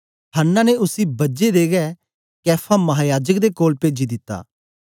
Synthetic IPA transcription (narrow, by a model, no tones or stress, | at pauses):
ɦənːãːneʊsiːbɐd͡ʒed̪eːɡɛː | kɛːpʰaːmɐɦaːjaːd͡ʒəkd̪eːkoːlpeːd͡ʒiːd̪ɪt̪ːa̰ː